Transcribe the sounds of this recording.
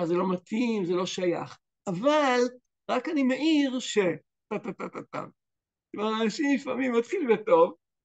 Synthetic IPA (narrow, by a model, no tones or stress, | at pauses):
azelo̞mat̪imzelo̞ʃaja̰χ | ʔaval | ʁakanimeʔiʁʃe | t̪at̪atat̪at̪a̰m | kvaʁanaʃimlifamimːat̪χilveto̞v